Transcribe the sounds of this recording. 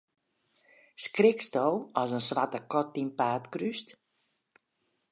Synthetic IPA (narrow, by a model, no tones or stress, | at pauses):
skrɪkstowɔsənsʋatəkɔt̚inpaːtkryst